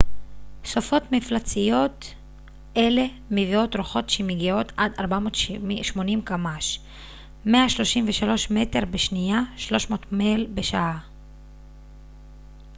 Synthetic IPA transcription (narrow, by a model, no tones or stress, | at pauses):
sofo̞tmiflat͡sijo̞t | e̞le̞ | mevio̞tʁoχo̞tʃemiɡio̞tʰad̪aʁbamo̞ːtʃmo̞nimkamaʃ | me̞aʃlo̞ʃimveʃalo̞ʃme̞te̞ʁbeʃnijaʃlo̞ʃmo̞ːtmelbeʃaʔa